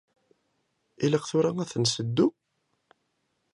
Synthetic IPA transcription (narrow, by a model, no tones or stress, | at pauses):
iləqθʊɾaæθənsəd̪ːu